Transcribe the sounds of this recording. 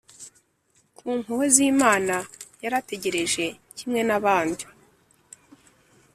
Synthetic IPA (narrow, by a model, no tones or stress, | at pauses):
kʰuːŋuhoziːmaːnajaɾate̞ɟe̞ɾe̞ʒe̞ | cimŋe̞naβaːndu